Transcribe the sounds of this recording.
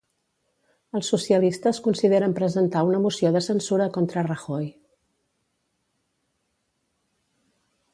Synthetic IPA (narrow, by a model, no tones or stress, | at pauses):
əlˠsːusiəlist̪əskunsiðeɾəmpɾəzənt̪aunəmusioðəsənsuɾəkont̪ɾərəxoj